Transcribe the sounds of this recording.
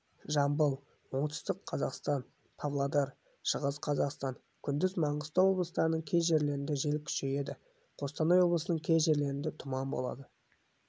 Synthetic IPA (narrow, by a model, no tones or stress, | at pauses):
ʒɑmbəlˠ | wo̞ɴt̪ʰə̥st̪əqʰɑzɑqst̪ɑn | pʰavlˠad̪ɑɾ | ʃəʁəzqʰɑzɑqst̪ɑɴ | kʲʰʏnd̪ɪzmɑɴəst̪ɑwo̞blˠəst̪ɑɾənəɴkʲʰe̞jʒe̞ɾle̞ɾɪnd̪eʒe̞lkʲʰʏ̥ʃe̞je̞d̪ɪ | qʰo̞st̪ɑnɑjwo̞bləsənəɴkʲʰe̞jʒe̞ɾle̞ɾɪnd̪et̪ʰʊmɑmbo̞̰lˠɑ̰d̪ə